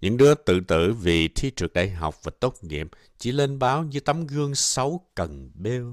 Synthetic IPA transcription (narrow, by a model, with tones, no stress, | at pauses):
ɲʔɨ̰˧˥ŋɗɨ˨˦ət̪ɨ̰˧˨t̪ɨ̰˧˨vi˨˩t̪ʰi˧t͡ɕɨ˨˩ək̚ɗa̰ː˧˨jɦa̰˨˩wk͡p̚vaː˨˩t̪o˦˥t̚ŋḭ˧˨əp̚ | t͡ɕḭ˧˩le˧nɓaː˨˦wɲɨ˧˦t̪a˨˦mɣɨ˧əŋsə˨˦wkə˨˩nɓe˧w